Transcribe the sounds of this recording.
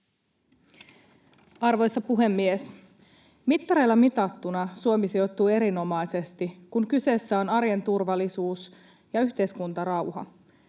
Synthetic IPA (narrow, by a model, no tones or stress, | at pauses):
ɑrʋo̞jst̪ɑpuɦe̞mːies | mit̪ːɑɾe̞ːlːɑmit̪ɑt̪ːunɑsuomisijo̞t̪ːuːe̞ɾino̞mɑjse̞st̪ikuŋkyse̞sːæo̞nɑɾjent̪urʋɑlːˑisuːs | jɑyçt̪e̞jskunt̪ɑrɑwhɑ̰